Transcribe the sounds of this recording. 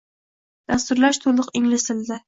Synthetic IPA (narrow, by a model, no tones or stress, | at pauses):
d̪̥ast̪ʊɾlaʃt̪ʰolˠʊqɪŋlɪsɪld̪ɪ